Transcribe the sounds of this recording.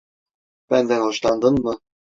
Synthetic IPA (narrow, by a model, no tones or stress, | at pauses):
b̥ænd̪ænhɔʃlˠɑnd̪ɤnmɤ